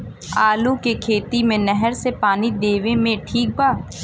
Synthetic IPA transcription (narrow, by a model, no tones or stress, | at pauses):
aːlukekʰeːt̪imẽnɛɦəɾsepaːnid̪eːʋẽmẽʈʰiːk̚baː